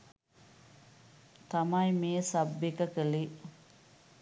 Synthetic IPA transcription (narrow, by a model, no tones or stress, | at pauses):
t̪ɐmɐjmiesɐbːikɐkeli